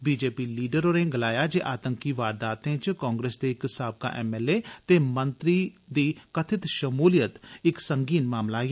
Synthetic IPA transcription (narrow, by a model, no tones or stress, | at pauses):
biːd͡ʒeːpiːliːɖəɾoːɾẽːɡəlaːjaːd͡ʒeːʔaːt̪ə̃ŋkiːʋaːɾd̪aːt̪ẽːt͡ʃkɔ̃ːŋɡɾeːsd̪eːɪksaːb̚ka̰ːʔɛːmɛːleːt̪eːmə̃nt̪ɾid̪iːkət̪ʰɪt̪ʃəmuːlijət̪ɪksəŋɡiːnmaːmlaːeː